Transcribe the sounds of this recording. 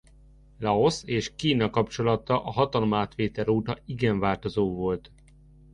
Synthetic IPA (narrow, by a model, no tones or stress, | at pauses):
lɒo̞seːʃkiːnɒkɒpt͡ʃo̞lɒt̪ɒʔɒɦɒt̪ɒlomaːt̪ʋeːt̪ɛɾuːt̪ɒiɡɛɱvaːlt̪o̞zoːvo̞lt̪